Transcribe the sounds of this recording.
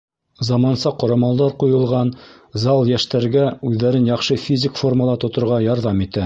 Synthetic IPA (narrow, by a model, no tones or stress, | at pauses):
zɑmɑnsɑqŏɾɑmɑlˠd̪ɑɾqujɤ̆lˠʁɑn | zɑlˠjæʃt̪æɾɡæʉðːæɾɘnjɑχʃɤfʲizʲɪkforməlˠɑt̪ŏt̪ŏɾʁɑjɑɾðɑmit̪æ